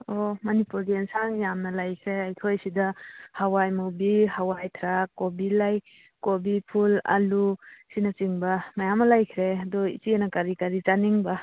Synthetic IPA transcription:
omɐnipuɾɡiɛnsaŋjamnɐlajkʰɾeajkʰojsidɐhawajmobihawajtʰɾakːobilaj | kobipʰula̰lusinat͡ʃiŋbɐmajamɐlajkʰɾeadɔḭt͡ʃienakaɾikaɾit͡ʃaniŋba

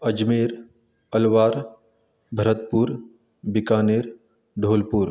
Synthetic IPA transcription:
ɐd͡ʒmeːɾ | ɐlʋaːɾ | bʱɐɾət̪̚puɾ | bɪkaːneːɾ | ɖʱoːlpuːɾ

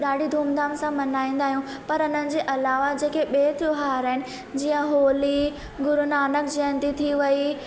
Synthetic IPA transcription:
ɗaːɖʱid̪ʱuːmd̪aːmsãmɐnaːĩːnd̪aːɦijũ | pɐɾʊnənɪ̆d͡ʑeːʔɐlaːʋad͡ʑeːkeɓeːt̪ʊɦaːɾəɦɪnɪ̆ | d͡ʑiːə̃ɦoːli | ɡʊɾʊnaːnəkd͡ʑɐə̃nd̪it̪ʰiʋɐi

